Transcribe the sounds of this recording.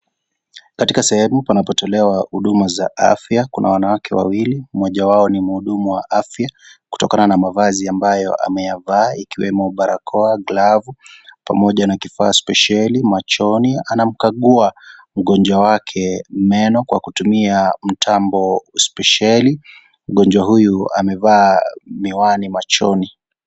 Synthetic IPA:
katikasɛhɛmupanapɔtɔlɛwahuɗumaza̰ʔa̰fjakunʔa̰wanawakʰɛwa̰wilimɔʄawaɔnim̩huɗumuwaʔafjaku̥tɔkananamavaziambajɔ̰ʔa̰mɛjavaːikiwɛmɔɓaɾakʰɔaɡlavupa̰mɔʄanakifaːspɛʃalimat͡ʃɔnianam̩kaɠuam̩ɠɔnd͡ʒwawakʰɛmɛnɔkwa̰kutumiam̩tʰambɔspɛʃali | m̩ɠɔnd͡ʒwaɦujua̰mɛvaːmiwanimat͡ʃɔ̰ni

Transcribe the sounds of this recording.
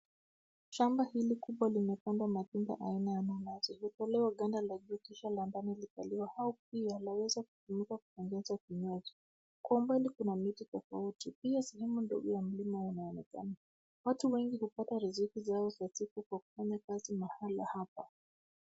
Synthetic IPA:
ʃambahilikuɓwalinɛpandwamatunba̰ʔainajananazɔiɔtɔlɛwaɠandalaʄuːkiʃalambanilipaliwahaɔp̚ialawɛzaku̥pumikaku̥pɔŋɡɛzakiɲazɔ | kwaumbalikunamititɔfa̰utipiasɛhɛmundɔ̰ɡɔjam̩limaunaɔnɛka̰na | watuwɛŋɡihupataɾizikizaɔzasikukwaku̥faɲakazimahala̰hapa

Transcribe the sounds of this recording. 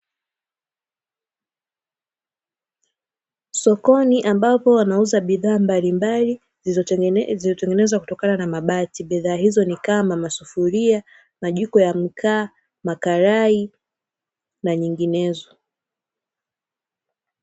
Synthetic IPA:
sɔkɔniʔambapɔwanauzaɓiðaːmbalimbali | zizɔtɛŋɡɛnɛzwaku̥tɔkananamaɓatiɓiðaːhizɔnikamamasufuɾia | maʄikɔjam̩kʰaː | makaɾai | naɲiŋɡinɛzɔ

